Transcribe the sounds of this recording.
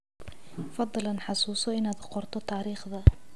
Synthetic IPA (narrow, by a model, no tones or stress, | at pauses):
fɑd̪ˤlɐnħɑsuːsɔɪnaːd̪qɔrt̪ʰɔt̪ʰaːɾiːχðɐ